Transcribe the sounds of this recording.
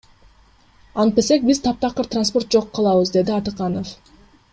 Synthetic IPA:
ɑɴ̚pesek̚biz̥t̪ʰɑp̚t̪ɑqɯɾt̪ranspo̞rt̪̚d͡ʒo̞qːɑlˠɑβɯzd̪e̞d̪iɑt̪ɯqɑnof

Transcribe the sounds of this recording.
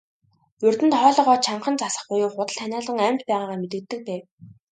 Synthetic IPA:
ɵrt̪ɘ̆nt̪χɔːɮɞ̆ʁɔːt͡ɕʰaɴχə̆nt͡sasə̥̆χpʊjʊːχʊt̪ə̆ɮt̪ʰænʲaːɮə̆ŋæmt̪pæːʁaːʁaːmet̪ɘ̆k̚t̪ːɘ̆k̚pæː

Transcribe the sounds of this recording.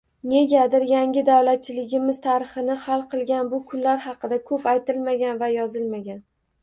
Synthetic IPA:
ne̞ɡʲad̪ɪɾjaŋɡʲɪd̪awlat̪̚t͡ʃʰɪlɪɡʲɪmɪzt̪ʰaɾɨχɨnɪhalˠqʰɨlˠɡʲanbʊkʰʊnlaɾhɑqɨd̪akʰɵpajt̪ɪlmaɡʲanvajɒzɪlmaɡʲan

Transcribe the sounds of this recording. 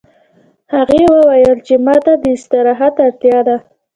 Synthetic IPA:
haɣewəwajəlt͡ʃemɑt̪ad̪əɪst̪əɾɑɦad̪aɽt̪jɑd̪a

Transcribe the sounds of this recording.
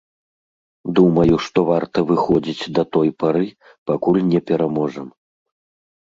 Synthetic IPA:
d̪umɐjuʂt̪ɔvart̪ɐvɨxɔd͡zʲit͡sʲd̪ɐt̪ɔjpaɾɨ | pakulʲnʲɛpʲɛɾamɔʐɐm

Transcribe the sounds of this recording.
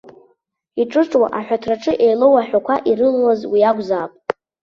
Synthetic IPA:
iʈ͡ʂʼɨʈ͡ʂʼwa̰ʔaħʷᶣatʰraʈ͡ʂʰʼɨʔejlowaħʷᶣakʷʰaʔiɾɨnwazwiaɡʷzaːpʼtʼ

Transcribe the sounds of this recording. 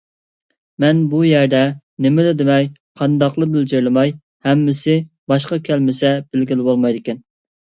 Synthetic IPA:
mɛnbujæɾd̪ɛ | nɪmɪlɪd̪ɪmɛjqʰɑnd̪ɑqlˠəbɪld͡ʒɪɾlɪmɑj | hɛmːɪsɪ | b̥ɑʃqɑkʲʰɛlmɪsɛb̥ɪlɡʲilɪbolˠmɑjd̪ɪkʲɛn

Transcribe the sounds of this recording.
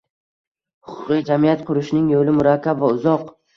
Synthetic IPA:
hʊqʰʊ̥qːid͡ʒamijat̪qʰʊɾɪʃnɪŋjolɪmʊɾakʲʰːabvaʊzɒq

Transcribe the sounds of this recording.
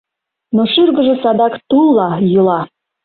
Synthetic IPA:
noʃyrɣə̆ʒĕsɑd̪ɑkt̪ulˠːɑjulɑ

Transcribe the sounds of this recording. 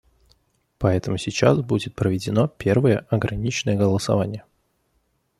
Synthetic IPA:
pɐɛt̪əmʊsʲɪt͡ɕa̰sbudʲɪt̪̚pɾəvʲɪdʲɪnopʲe̞rvəjəʔɐɡɾʔɐnʲit͡ɕnəjəɡəlˠəsɐ̰vanʲɪjə

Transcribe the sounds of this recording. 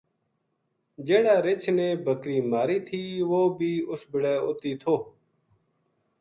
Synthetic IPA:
d͡ʒeːɽaːɾɪt͡ʃʰnẽːbʱəkɾiːmaːɾiːt̪ʰiːʋoːbʱiːʊsbɪɽɛːʊt̪iːt̪ʰoː

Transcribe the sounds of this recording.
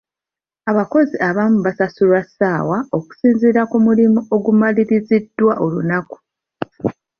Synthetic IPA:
aβako̞ziʔaβaːmuβasasulwasaːwaoku̥siːnziːɾakumulimuo̞ɡumaliɾizidːwaʔo̞lunaku̥

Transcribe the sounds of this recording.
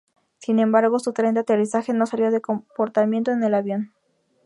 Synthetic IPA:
sinẽ̞mbaɾɣo̞sut̪ɾent̪at̪e̞risaxe̞no̞saljoðe̞ko̞mpo̞ɾt̪amje̞nt̪o̞ene̞laβjo̞n

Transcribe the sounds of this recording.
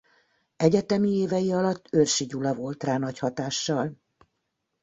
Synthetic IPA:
ɛɟɛt̪ɛmieːvɛjiɒlɒt̪ːørʃiɟulɒvo̞lt̪raːnɒchɒt̪aːʃːɒl

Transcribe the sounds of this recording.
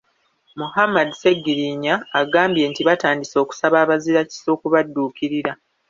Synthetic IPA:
muhamːadise̞ɡːiɾiɲaːɡaːmbje̞ːntiβataːndiso̞ːku̥saβaːβaziɾaci̥soːkuβadːuːkiɾiɾa

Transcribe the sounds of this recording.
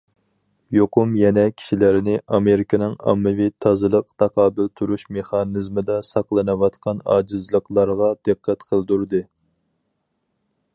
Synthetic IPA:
joqʊmjɛnɛkʲʰi̥ʃilæɾɪnɪʔɑmeɾɪkʲʰɪnɪŋɑ̰mːɨvɪt̪ʰɑzɨlˠəqt̪ʰɑqʰɑːbɪlt̪ʰuɾuʃmeχɑnɨzmɨd̪ɛsɑqlˠɨnɨwɑt̪qɑnɑ̰ːd͡ʒɨzlˠəqlˠɑɾʁɑd̪̥ɨqːæt̪qʰəlˠd̪uɾd̪ɨ

